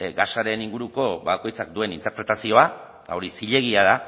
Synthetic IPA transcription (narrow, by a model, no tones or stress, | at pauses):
ɡaʃaɾe̞niŋɡuɾuko̞βako̞jt͡sakd̪ue̞nint̪e̞ɾpɾe̞t̪asio̞a | t̪ao̞ɾisiʎe̞ɣ̞iaða